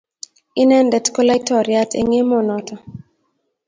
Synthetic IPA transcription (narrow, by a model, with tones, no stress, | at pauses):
i˦nɛ˦ndɛ˨tkɔ˦la˦jtɔ˨ɾja˦tʰḛ˨ŋe˦mɔ˦˨nɔ˨tʰɔ˨